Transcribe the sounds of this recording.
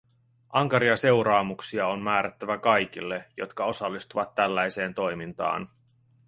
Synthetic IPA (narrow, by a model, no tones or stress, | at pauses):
ʔɑŋkɑɾiɑse̞wɾɑːmuksiɑonmæːɾæt̪ːæʋækɑjk̟ilːe̞jo̞̰t̪kɑo̞sɑlːist̪uʋɑt̪ːælːæjse̞ːnt̪o̞jmint̪ɑ̰ːn